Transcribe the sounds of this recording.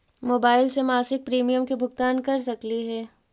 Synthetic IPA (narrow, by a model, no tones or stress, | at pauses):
moːbaːɪlsemaːsɪk̚pɾiːmijəmkebʱʊɡt̪aːnkɐɾsɐkliɦɛː